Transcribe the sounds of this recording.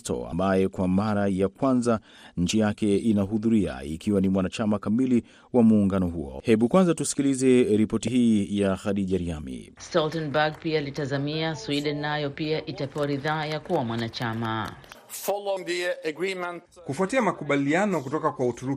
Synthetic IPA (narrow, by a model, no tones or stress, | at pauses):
tɔ̰a̰mbajɛkwamaɾajakwanza | ɲ̩t͡ʃijakɛinaɦuðuɾia̰ḭkiwanimwanat͡ʃamakamili | wamuːŋɡanɔɦuɔ̰hɛɓukwanzatusi̥kilizɛɾipɔtiɦiːjaxaɗiʄaɾiamḭstɔltɛnbaɡ̚piaːlitazamiaswiɗɛnːajɔpiaʔitapɛwaɾiðaːjakuwamwanat͡ʃama̰ | fɔlɔnbiəɡɹimɛ̃nt | kufuatiamakuɓalianɔk̬utɔkakwautuɾu